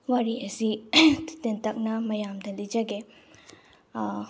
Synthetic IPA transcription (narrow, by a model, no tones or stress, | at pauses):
ʋɐɾiʔɐsit̪t̪ɐnt̪ɐk̚nɐmɐjamd̪ɐlid͡ʒɐɡe